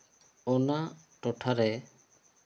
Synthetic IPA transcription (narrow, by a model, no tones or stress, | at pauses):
ɔna | ʈɔʈʰaɾɛ